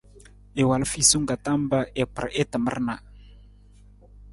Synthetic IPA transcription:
e˨wa˨lfi˦˨su˦ŋɡa˨t̪a˦mba˦ʔe˨pɾa̰˨ʔe˦t̪ə˨mə̰˦rna˨

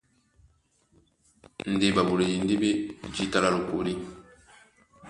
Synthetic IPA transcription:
n̩˨de˦˨ba˨bu˨le˨ji˨n˦di˦be˦d͡ʒi˦ta˦la˦lu˨ko̰˨ɾi˦

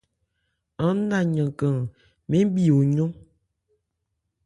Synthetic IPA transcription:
a˦na˦˨ɲə˨kə˨ŋ | me˦bi˦˨o˨ɲo˦

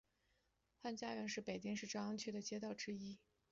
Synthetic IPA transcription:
xa˥˧nt͡ɕja˥ɥɛ˧˥nʂɻ̩˥˩pe˨˩ɪt͡ɕi˥ŋʂɻ̩˥˩ʈ͡ʂɑ˥ɑ˥ŋt͡ɕʰy˥˩d̪ə˩t͡ɕjɛ˥t̪ɑ˥˩ʊʈ͡ʂɻ̩˥i˥

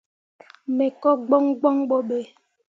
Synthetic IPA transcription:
me˨kɔ˦ɡ͡bɔ˦ŋɡ͡bɔ˦ŋɓɔ˦ɓe˨

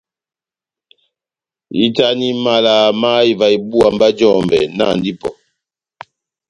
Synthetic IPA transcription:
i˦ta˦ni˦ma˨la˨ma˦i˨va˨i˨bu˦a˨mba˦d͡ʒɔ˦˨mbɛ̰˨na̰˦˨ndi˦pɔ̰˨

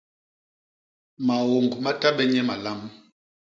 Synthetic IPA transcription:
ma˨wo˨ŋɡma˦ta˦ɓɛ˦ɲɛ˦ma˨la˦m

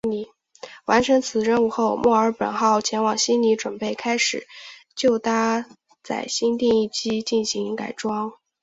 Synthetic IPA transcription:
wa˧˥nʈ͡ʂʰə˧˥ŋt͡sʰɹ̩˨˩ɻə˥nu˥˧xo˥˧ʊmʔwɔ˥˩ə˞˧˥pə̰˨˩nxɑ˥˩ʊt͡ɕʰjɛ˧˥nwɑ˨˩ŋɕi˥nni˧˥ʈ͡ʂwə˨˩npe˥˩ɪkʰa˥ɪʂɻ̩˨˩˦t͡ɕjo˥˩ʊt̪a˥ | t͡sa̰˥˩ɪɕi˥nt̪i˥˧ŋi˥˩t͡ɕi˥t͡ɕi˥˩nɕi˧˥ŋka̰˨˩ɪʈ͡ʂwɑ˥ŋ

